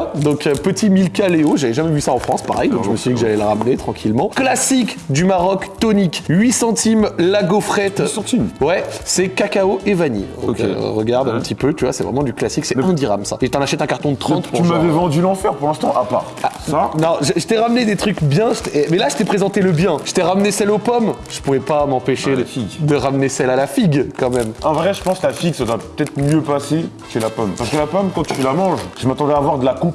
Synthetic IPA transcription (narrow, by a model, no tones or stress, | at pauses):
d̪ɔ̃køpət̪imilkaleoʒavɛʒamɛvysaɑ̃fχɑ̃spa̰ʁɛ̰jd̪ɔ̃kʒəməsɥid̪ikəʒalɛləʁamnet̪χɑ̃kʲʰilmɑ̃klasikd̪ymaʁɔkt̪ɔnikɥisɑ̃t̪ʰimlaɡofχɛt̪st̪imwɛsɛkakaoʔevanḭdo̰kḛʁəɡaʁd̪ɛ̃pəət̪ʰipøt̪yvwasɛ̰vʁɛ̰mɑ̃d̪yklasiksɛɛ̃d̪iʁamsa̰eʒət̪ɑ̃naʃɛt̪ɛ̃kaʁt̪ɔ̃d̪ət̪χɑ̃t̪puʁymavɛvɑ̃d̪ylɑ̃fɛʁpuʁlɛ̃st̪ɑ̃ʔapa̰ʁaanɔ̃ʒəʒət̪ɛʁamned̪et̪χykbjɛ̃ʒət̪ɛmɛlaʒət̪ɛpχezɑ̃t̪eləbjɛ̃ʒə̥t̪ɛʁamnesɛlopɔm | ʒ̥əpuvɛpamɑ̃peʃefiɡd̪əʁamnesɛlalafiɡkɑ̃mɛmɑ̃vʁɛʒəpɑ̃sklafiɡsad̪wapət̪ɛt̪χmjøpase | ʃelapɔmpaʁskəlapɔmkɑ̃t̪yfɛlamɑ̃ʒʒəmat̪ɑ̃d̪ɛaːvwaʁd̪əlakup